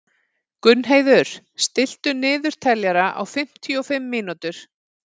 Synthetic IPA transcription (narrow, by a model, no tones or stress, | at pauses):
kʏnːɦeːjðʏɾ̥ | st̪ɪl̥t̪ʏnɪːðʏɾ̥t̪ʰɛljaɾaʔa̰wfɪm̥t̪ʰiɔfɪmːiːnut̪ʏɾ̥